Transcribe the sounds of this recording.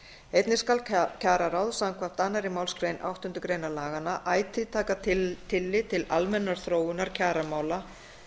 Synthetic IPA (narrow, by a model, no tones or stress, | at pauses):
ejt̪nɪskalcʰaːɾaɾawðsawmkʰvḁt̪ːanːaɾɪmaːwlskɾejnʔa̰wht̪ʏnt̪ʏkɾeːjnalaːɣanaʔaːjt̪ʰɪt̪ʰaːkatt̪ʰɪlːɪt̪ʰɪlalmɛnːaɾ̥θɾoːwʏnaɾ̥cʰaːɾamaːwla